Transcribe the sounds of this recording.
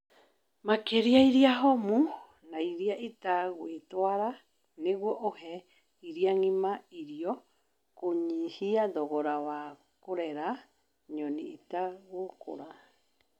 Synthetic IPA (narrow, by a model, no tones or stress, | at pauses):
makeɾiajɾiaɦomu | najɾiaʔitaɡwetoaɾa | neɣwoʔohe | iɾiaŋimaiɾio | koɲihiadoɣoɾaβa | koɾeɾa | ɲoniitaɣoko̰ɾa